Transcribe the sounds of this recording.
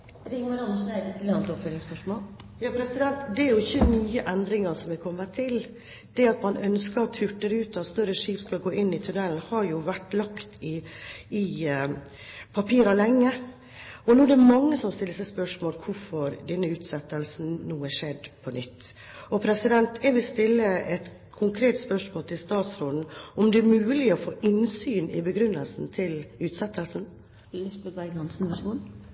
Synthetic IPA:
ɾɪŋːəɾɑnəʂnɛt̪ʰɪlɑnt̪ɔpføːɾɪŋspœʂmoːl | jɑːpʰɾɛsɪd̪ɛnt̪d̪ɛæɾjʊɪçːənyːəʔɛnd̪ɾɪŋɑɾsɔmʋɛkʰɔmːət̪ʰɪl | d̪̥ɛɑt̪mɑnʔœnskəɾt̪ʰʉʈːəɾʉːt̪ɑt̪st̪œɾəʂiːpskɑɡoːʔɪnːɪt̪ʰʉnɛln̩hɑɾjʊʋæʈːlɑkt̪ɪɪ | pʰɑpʰiːɾɑlɛŋːə | ɔnuːɖ̪ɛɾmɑŋːəsɔmst̪ɪlːəsɛɪspœʂmoːlkʰʊɾfɔɾd̪ɛnːəʉːt̪sɛt̪ːəlsn̩nuːəʂɛd̪pʰɔnʏt̪ː | ɔpʰɾɛsɪd̪ɛnt̪ʰɛɾʋɪlst̪ɪlːəɛt̪ | kʰʊŋkʰɾeːt̪spœʂmoːlt̪ʰɪlst̪ɑːt̪sɾoːd̪n̩ɔmd̪ɛæɾmʉːlɪɔfoːʔɪnsyːnɪ̰bəɡɾʉnːəlsn̩t̪ʰɪlʉːt̪sɛt̪ːəlsn̩ | sbəʋæɡɑnsɪnʋɑʂuːn

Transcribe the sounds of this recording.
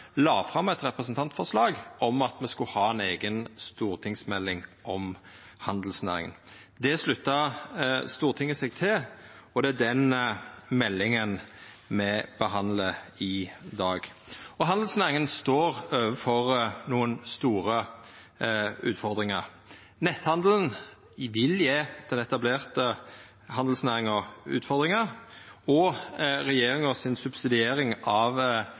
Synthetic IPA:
lɑːfʁɑmɛt̪ʁɛpɾəsnt̪ʰɑnt̪fɔʁʂlɑːɡɔmɑt̪mɛskʉhɑːɛneːɡənst̪uːɾt̪ʰɪŋsmɛlːɪŋʔɔmhɑnd̪l̩snæ̰ːɾɪ̰ŋə̰nd̪ɛslʉt̪ːɑ | st̪uːʁt̪ʰɪŋːəsɛɡt̪ʰɪlɔd̪ɛæd̪ɛnmɛlːɪŋən | mɛb̥əɦɑnləɪd̪ɑːɡɔɦɑnd̪lsnæːɾɪŋənst̪oːɾøːʋəfɔʁnuːənst̪uːɾə | ʉ̰ːt̪fɔʁd̪ɾɪŋəʁ | nɛt̪hɑnd̪lən | ʋɪljeːd̪̥ɛnɛt̪ɑbleːʁt̪ə | hɑnd̪l̩snæːʁɪŋɔʉ̰ːt̪fɔʁd̪ʁɪŋəɔʁɛjeːɾɪŋɔsɪnsʉbsɪd̪ɪeːɾɪŋɑʋ

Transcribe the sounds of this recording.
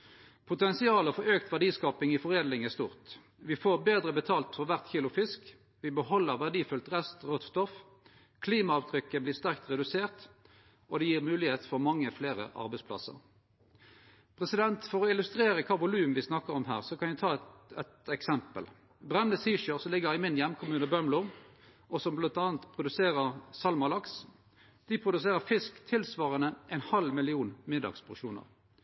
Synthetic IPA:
pʰʊt̪ɛnsɪɑːləfɔʁøːkt̪ʋæʁɖiːskɑːpɪŋiːfɔʁeːd̪lɪŋæst̪uːʁt̪ | ʋɪfoːʁbeːd̪ʁəbət̪ʰɑːlt̪fɔʋæʁt̪çiːlʊfɪsk | ʋɪbəhɔlːəʁʋæʁɖiːfʉlt̪ʁɛst̪ʁɔt̪st̪ɔf | kʰliːmɑɑːʋt̪ʰʁʏkːəbliːʁst̪æʁk̚t̪ʁɛd̪ʉseːʁt̪ | ʔɔd̪ɛjiːʁmʉːlɪheːt̪fɔʁmɑŋːəfleːʁə̰ʔɑ̰ʁbɛɪspʰlɑ̰sə̰ʁ | pʰʁɛsɪd̪ɛnt̪fɔʁɔɪlʉst̪ʁeːʁəkʰɑːʋʊlʉːmən̩ʋɪsnɑkːəʁɔmɦæ̰ːʁsɔkʰɑnjæt̪ʰɑːɛt̪ɛksɛmpə̰l | bʁɛnəsiːʃøːsɔlɪɡəʁɪmɪnjɛmkʰʊmʉːnəbœmluːʁ | ʔɔsɔmblɑnt̪ɑːnt̪pʰʁʊd̪ʉseːʁəʁsɑlmɑlɑks | d̪̥ɪpʰʁʊd̪ʉs̬eːʁəfɪskt̪ʰɪlsʋɑːʁənəʔɛɪnhɑlmɪlɪuːnmɪd̪ɑ̰ɡspʰʊʃuːnə̰ʁ

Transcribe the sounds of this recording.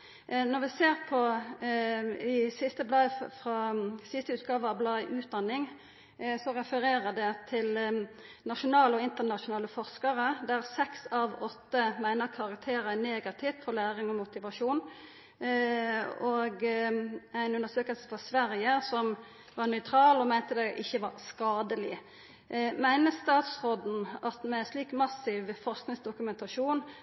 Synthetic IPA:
nɔɾʋɪseːʁpʰɔ | ɪsɪst̪əblɑːfʁɑsɪst̪əʉːt̪̚ɡɑːʋəʁɑʋblɑːʔʉːt̪̚d̪ɑnːɪŋ | sɔʁɛfəɾeːʁəd̪ɛt̪ʰɪl | nɑʃʊnɑːləɔɪnt̪ənɑʃʊnɑːləfɔʁskɑɾəd̪æʁsɛksɑʋɔt̪ːəmæɪnəʁkʰɑʁɑk̚t̪ʰeːɾəneːɡɑt̪ʰɪʋt̪fɔlæːʁɪŋɔmʊt̪ɪʋɑʂuːn | ɔɡ | æɪnʉnd̪əʁsøːkəlsə̥fɔsʋæɾjəsɔm | ʋɑʁnœʏt̪ʰɾɑːlɔmæɪnt̪əd̪ɛʔɪçːəʋɑʁskɑːd̪əlɪ | mæɪnəst̪ɑːt̪sʁɔd̪n̩ɑt̪mɛsliːkmɑsɪʋfɔʁsknɪŋsd̪ʊkʉmɛnt̪ɑʂuːn

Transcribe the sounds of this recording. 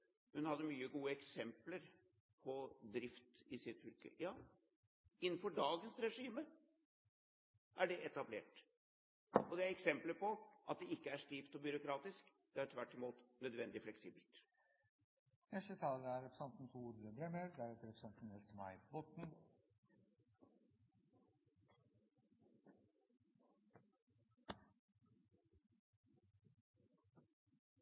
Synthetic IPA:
hʉnhɑd̪ːəmyːəɡuːəɛksɛmpləɾ | pʰɔd̪ɾɪft̪ɪsɪt̪fʏlkə̰jɑː | ɪnːn̩fɔɖɑːɡənsɾɛʂiːmə | ʔæɖɛʔɛt̪ɑblḛːʈ | ɔd̪ɛæɾɛksɛmpləpʰɔʔɑ̰t̪̚d̪ɛɪkːəæʂt̪iːft̪ɔbʏɾʊkɾɑːt̪ɪsk | d̪̥ɛæɾt̪ʰʋæʈːɔmuːt̪nœd̪ʋɛnd̪ɪflɛksiːbəlt̪ | nɛsət̪ʰɑːləɾæɾɛpɾəsɑnt̪n̩fʰuːɾd̪əbɾɛmeːɾd̪æɾɛt̪əɾɛpə̥sɑnt̪n̩hɛlsmɑɪbɔt̪n̩

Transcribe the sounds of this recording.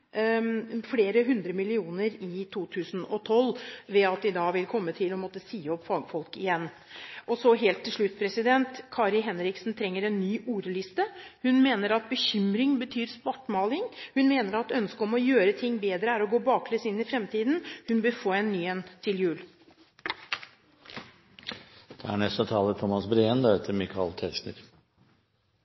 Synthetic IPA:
fleːɾəɦʉnd̪ɾəmɪlɪuːnəɾɪt̪ʰuːt̪ʰʉːsnɔt̪ʰɔlːʋɛɑt̪̚d̪ɪd̪ɑːʋɪlkʰɔmːət̪ʰɪlɔmɔt̪ːəsiːɔpːfɑːɡəfɔlkɪjɛnː | ʔɔsɔɦeːlt̪ʰːɪlʂɭʉt̪ːpʰɾɛsɪd̪ɛnt̪kʰɑːɾɪɦɛnɾɪksnt̪ʰɾɛŋːəɾɛnːyːʔuːɾəlɪst̪əhʉnmeːnəɾɑt̪̚bəçʏmɾɪŋbət̪ʰyːɾspɔʈːmɑːlɪŋhʉnmeːnəɾɑt̪œnskəɔmɔjøːɾət̪ʰɪŋːbeːd̪ɾəæɾɔɡoːbɑːkʰlɛsɪnːɪfɾɛmt̪ʰiːd̪nhʉnbəfoːɛnːyːɛnt̪ʰɪljʉːl | d̪̥ɛæ̰ɳɛst̪ət̪ʰɑːlət̪ʰɔmːɑsbɾeːɛnd̪ɑheːt̪ʰəɾmɪkʰɑ̰lt̪ʰɛʂnə̰ɾ

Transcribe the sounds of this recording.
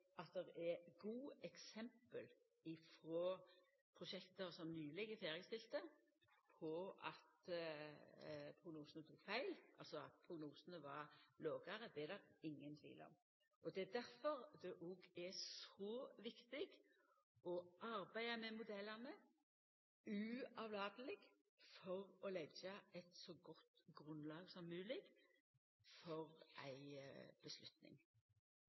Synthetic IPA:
ɑt̪̚d̪ɛɾɛɡuːɛksɛmpəl | ɪfɾoː | pʰɾʊʃɛkt̪əɾsɔmnyːlɛɡəfeːɾjəst̪ɪlt̪ə | pʰɔɑ̰t̪ | pʰʁʊɡnuːsənət̪ʰuːkfæɪlʔɑ̰lsɔɑt̪̚pʰɾʊɡnuːsənəʋɑɾloːɡɑɾəd̪ɛɛd̪ɑʁɪŋːənt̪ʰʋḭːlɔ̰m | ɔd̪ɛːd̪æɾfɔɾd̪ɛʔɔɡɛsoːʋɪkt̪ɪɡ | ʔɔʔɑɾbæɪəmɛmʊd̪ɛlːɑnə | ʉɑʋlɑːd̪əlɪɡ | fɔʁɔlɛɡjɑɛɪt̪sɔɡɔt̪ːɡʁʉnlɑːɡsɔmːʉːlɪɡ | fɔʁʔæ̰ɪb̥əslʉt̪nɪ̰ŋ

